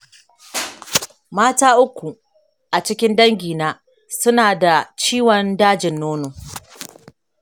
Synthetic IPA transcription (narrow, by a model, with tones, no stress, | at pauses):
maː˦taː˦ʔʊ˦kʷːu˨ | ʔa˨t͡ʃɪ˦kʲɪ˦ndɐ˦ŋɡʲiː˨naː˦ | sʊ˦naː˨da˨t͡ʃiː˦wɔ˨ndaː˦d͡ʒɪ˨nːoː˦noː˨